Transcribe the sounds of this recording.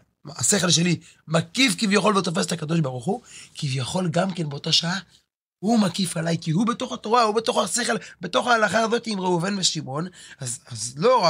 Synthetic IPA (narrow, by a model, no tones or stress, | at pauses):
ase̞χe̞lʃe̞li | makifkivjaχo̞lvet̪o̞fe̞s̬etakad̪o̞ʃbaʁuχukivjaχo̞lɡamke̞nbeo̞t̪aʃaa | humakifalajkihube̞t̪o̞χat̪o̞ʁaubet̪o̞χase̞χe̞lbe̞t̪o̞χaːlaχaːzo̞t̪iːmʁeuvenbeʃimo̞nazazlo̞ʁa